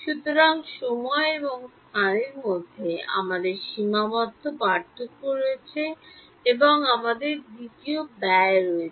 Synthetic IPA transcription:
ʃut̪oɾaŋʃɔmɔeeboŋst̪ʰaɾiɾmod̪ʱːea̰mad̪eɾʃimabɔt̪ʰːopaɾt̪ːokːoɾoet͡ɕʰe | eboŋamad̪eɾd̪it̪iobɛeɾoe

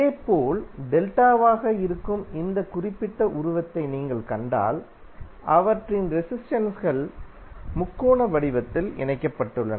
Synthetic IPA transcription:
ɪðeːpoːlɖ̪ɛlʈaːʋaːɣɐɪɾɯkːɯmɪnd̪ɐkʊrɪpːɪʈːɐʔʊɾʊʋɐt̪ːɐɪniːŋɡɐɭkɐɳɖa̰ːl | ʔɐʋɐʈrɪnɾɛsɪsʈɐnsɣɐɭ | mʊkːoːɳɐʋɐɽɪʋɐt̪ːɪlɪ̰ɳɐɪkːɐpːɐʈːɯɭːɐnɐ

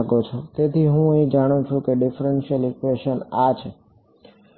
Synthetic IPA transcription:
ɡot͡ʃʰɔt̪et̪ʰiɦũed͡ʒaɽ̃ũt͡ʃʰũkeɖifɾenʃiəlikweʃənat͡ʃʰe

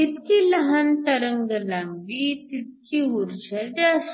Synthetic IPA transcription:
it̪kilɐɦɐnt̪ɐɾəŋɡɐlɐmbit̪it̪̚kiuɾd͡ʒɐdas

